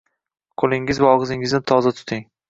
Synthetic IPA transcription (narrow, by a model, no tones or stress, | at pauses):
qʰolˠɪŋɪzvaɒʁɨzɪŋɪznɪt̪ʰɒzat̪ʰʊ̥t̪ʰɪŋ